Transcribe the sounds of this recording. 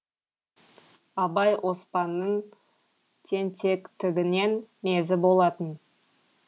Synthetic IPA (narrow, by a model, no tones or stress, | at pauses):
ɑbɑjʔo̞spɑnːəɴ | t̪ʰe̞nt̪ʰe̞kt̪ʰɪɡʲɪne̞nme̞zɪbo̞lˠɑt̪ən